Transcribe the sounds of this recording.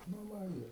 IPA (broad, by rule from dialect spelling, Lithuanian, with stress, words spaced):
nʊ ˈʋɐ ɪr